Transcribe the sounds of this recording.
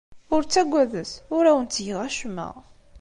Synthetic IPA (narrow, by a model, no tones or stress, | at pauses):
ʊɾt͡sːæɡʷːæðəsʊɾæwənt͡s̪ːjəʁæʃmːə̰ʁ